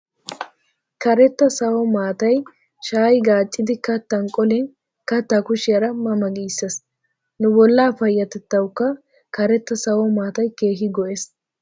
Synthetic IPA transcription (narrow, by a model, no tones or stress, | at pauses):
kɐɾɛt̪ːɐsɐwɔmaːt̪ɐj | ʃaːjɡaːt͡ʃʼːɪd̪ɪkɐt̪ːɐŋkʼɔlɛn | kɐt̪ːakʊʃɪjɐɾɐmɐmɐɡiːsːes | nʊbɔlːaːfɐjːɐt̪ɛt̪ːɐwʊkːɐ | kɐɾɛt̪ːɐsɐwɔmaːt̪ɐjke̞ːɦɪɡɔʔes